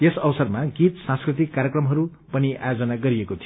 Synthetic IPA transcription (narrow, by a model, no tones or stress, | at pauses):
esʌbʌsʌrmaɡit̪sãnskrit̪ikːaɾjekrʌmɦʌɾu | pʌniʔa̰jod͡zʌnaɡʌɾiekot̪ʰij